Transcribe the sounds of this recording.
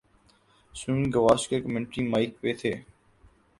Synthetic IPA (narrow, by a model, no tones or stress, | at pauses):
sunɡəʋaːʃkeːkəmɪ̃ɳʈɾiːmaːɪkpeːt̪ʰeː